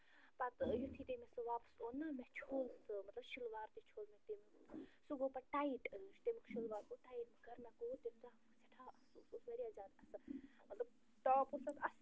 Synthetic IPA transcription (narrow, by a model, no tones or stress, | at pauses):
pɐt̪jut̪ʰiːt̪emesɨʋaːpə̥soːnːɐmɛt͡ʃʰoːlsɨmɐt̪lɐbʃilʋaːɾt̪it͡ʃʰoːlmɛt̪em | suɡopɐʈaːiʈːt͡ʃt̪emikʰʃilʋaːɾkoʈaːiʈ̚meɡʱɐɾmekoːt̪emza | sɐʈʰaːɐsususʋɐɾiaːzaːd̪ɐsɨ | mɐt̪lɐb̚ | t̪ɔːpusɐt̪ɐs